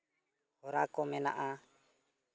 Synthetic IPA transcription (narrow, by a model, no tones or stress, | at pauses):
hɔɾakɔmɛna̰ʔa